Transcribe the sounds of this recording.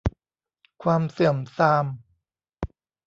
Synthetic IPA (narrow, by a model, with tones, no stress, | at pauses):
kʰwaː˧msɯ˨˩əmsaː˧m